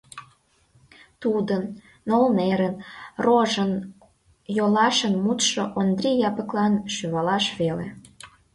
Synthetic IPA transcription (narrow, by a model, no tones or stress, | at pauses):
t̪ud̪ənː | olneɾənroʒən | jolɑʃənmut̪ʃoʔond̪rʲijɑpə̆klɑnʃyβɑlɑʃβelḛ